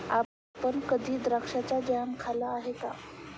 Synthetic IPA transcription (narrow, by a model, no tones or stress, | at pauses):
a | pənkəd̪ʱiːd̪ɾakʂat͡sad͡ʑamkʰalaːɦeka